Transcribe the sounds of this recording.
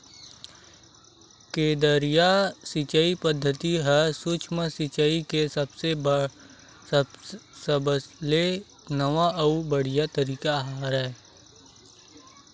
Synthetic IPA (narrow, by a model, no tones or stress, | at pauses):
keːd̪əɾijasɪt͡ʃaipəd̪ʱːət̪iɦɛsut͡ʃʰməsɪt͡ʃəikesəbse | səbsle | nəʋaɐubəɽ̤ijat̪əɾiːkaɦaːɾɛ